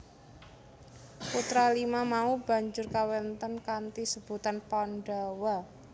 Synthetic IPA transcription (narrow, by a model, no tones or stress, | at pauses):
put̪ɾalimamaub̥a̤ɲd͡ʒʊrkawɛnt̪ɔnkant̪isəb̥ṳt̪anpɔnɖa̤wa